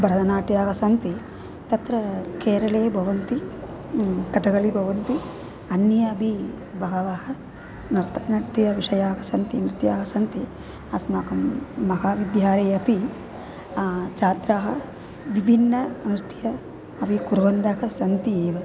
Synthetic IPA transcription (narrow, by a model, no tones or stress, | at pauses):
bʱɐɾɐd̪ɐnaːʈjaːɡɐsɐnt̪i | t̪ɐt̪ɾɐkeːɾɐɭeːbʱɐʋɐnt̪i | kɐt̪ɐɡɐlibʱɐʋɐnt̪i | ɐnːjɐɐbʱi | bʱɐɡɐʋaːɦɐ | nɐɾt̪ʰɐnɐɾt̪ijɐʋiʂɐjaːɡɐsɐnt̪imɾit̪jaːɡɐsɐnt̪i | ɐsmaːkɐmːɐɦaːʋid̪jaːɾeːɐpi | t͡ʃaːt̪ɾaːɦɐ | ʋibʱinːɐmɾit̪ʰjɐ | ɐʋikuɾʋɐnd̪ɐkɐsɐnt̪ieːʋɐ